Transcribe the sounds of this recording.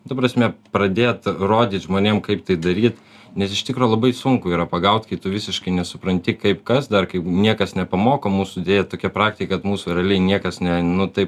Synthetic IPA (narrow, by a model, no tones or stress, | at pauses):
t̪ɐpɾɐsʲmʲɛpɾɐd̪ʲeːt̪roːd̪ʲiːt̪ʒmoːnʲeːmkɐɪp̚t̪ɐɪd̪ɐɾʲiːt̪ | nʲɛsɪʃt̪ʲɪkɾoːlˠɐbɐɪsʊŋkʊiːɾɐpɐɡɐʊt̪kɐɪt̪ʊʋʲɪsʲɪʃkɐɪnʲɛsʊpɾɐnʲt̪ʲɪkɐɪpkɐsd̪ɐrkɐɪnʲiɛkɐsnʲɛpɐmoːkoːmuːsʊɪd̪ʲeːjɛt̪oːkʲɛpɾɑːkt̪ʲɪkʲekɐt̪muːsʊːɾʲɛɐlʲɛɪnʲiɛkɐsnʲɛnʊt̪ɐɪp